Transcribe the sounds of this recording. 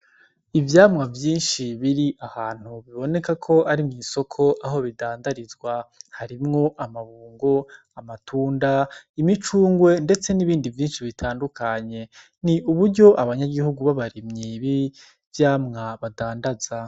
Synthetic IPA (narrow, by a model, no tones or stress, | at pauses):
ivjaːmŋavjiːnʃiβiɾiʔahaːn̥huβiβo̞ne̞kakʰo̞aɾimŋiːso̞kʰo̞ʔaɦo̞βidaːndaɾizɡwahaɾimŋo̞ʔamaβuːŋɡo | amatʰuːndaimit͡ʃuːŋɡwe̞nde̞t͡se̞niβiːndivjiːnʃiβitʰaːndukʰaɲe̞ | niʔuβuɾɟo̞ʔaβaɲaɡihuɡuβaβaɾimɲiβi | vjaːmŋaβadaːndaz̥a